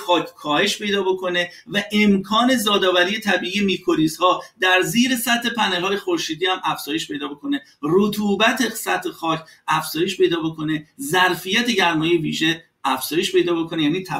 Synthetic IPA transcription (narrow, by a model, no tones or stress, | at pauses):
ɒːkʰkʰɒːhe̞ʃpe̞jd̪ɒːbo̞kʰo̞ne | væʔemkʰɒːne̞zɒːd̪ɒːvæɾiːje̞t̪ʰæbiːʔiːjemikʰo̞ɾiːzhɒːd̪æɾziːɾe̞sæt̪ʰːe̞pʰænelhɒːje̞xo̞ɾʃiːd̪iːhæmæfz̥ɒːje̞ʃpʰe̞jd̪ɒːbo̞kʰo̞ne | rot̪ʰuːbæt̪ʰesæt̪ʰhexɒːcʰæfz̥ɒːje̞ʃpe̞jd̪ɒːbo̞kʰo̞ne̞zæɾfijæt̪ʰeɟæɾmɒːjeviːʒe̞ | æfz̥ɒːje̞ʃpe̞jd̪ɒːbo̞ko̞nejæːniːt̪ʰæ